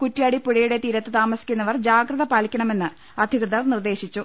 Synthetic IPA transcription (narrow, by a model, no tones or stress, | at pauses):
kutːjaːɽipuɻɐjuɽe̞t̪iːɾɐt̪ːɨt̪aːmɐsi̥kʲːunːɐʋɐrd͡ʑaːɡrɐðɐpaːlikʲːɐɳɐme̞nːɨ | ɐd̪ʱikrɨðɐrnird̪e̞ːɕit͡ɕːu